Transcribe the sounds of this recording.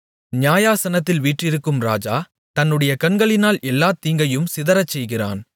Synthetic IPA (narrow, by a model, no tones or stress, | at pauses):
njaːjaːsɐnɐt̪ːɪlʋiːʈrɪɾɯkːɯmɾa̰ːd͡ʒa̰ː | t̪ɐnːɯɽɐjɐkɐnɡɐɭɪnaːlʔɛlːaːt̪iːŋɡɐjɯmsɪðɐɾɐt͡ʃːɛjɣɪra̰ːn